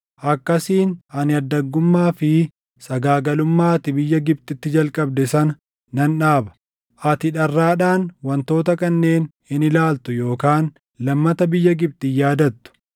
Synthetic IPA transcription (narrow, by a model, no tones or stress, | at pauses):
ʔɐkːɐsiːnɐnɪɐd̪ːɐɡːʊmːaːfɪ | sɐɡaːɡɐlʊmːaːt̪ɪbɪjːɐɡɪb̚t̪ʼɪt̪ːɪd͡ʒɐlkʼɐb̚d̪ɛsɐnɐ | nɐnᶑaːbɐ̥ | ʔɐt̪ɪᶑɐrːaːᶑaːnwɐnt̪o̞ːt̪ɐkɐnːe̞ːn | ɪnɪlaːlt̪ʊjo̞ːkaːn | lɐmːɐt̪ɐbɪjːɐɡɪb̚t̪ɪjaːd̪ɐt̪ːʊ̥